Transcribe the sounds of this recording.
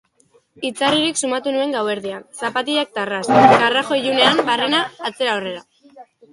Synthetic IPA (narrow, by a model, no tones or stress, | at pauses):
it͡sariɾiksumat̪unue̞ŋɡawe̞ɾðiansapat̪iak̚t̪arasɡaraxo̞iʝune̞ambare̞naːt͡se̞ɾaore̞ɾa